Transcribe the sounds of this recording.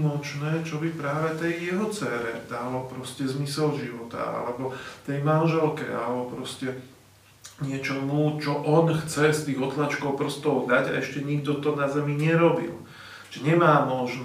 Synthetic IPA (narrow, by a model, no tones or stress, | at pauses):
mɔt͡ʃnɛːt͡ʃɔbipɾaːʋɛt̪ɛjːɛɦɔt͡sɛːɾɛ̰d̪̥alɔpɾɔscɛzmisɛlʒiʋɔt̪a̰a̰lɛbɔt̪ɛjmanʒɛlkɛ̰a̰lɛbɔpɾɔscɛ | ɲɪɛt͡ʃɔmut͡ʃɔʔɔnxt͡sɛst̪iːɣɔt̪lat͡ʃkɔʊpr̩st̪ɔʊd̪aɟa̰ɛʃcɛɲiɡd̪ɔt̪ɔnazɛmiɲɛɾɔbḭl | ʒɛɲɛmaːmɔʒn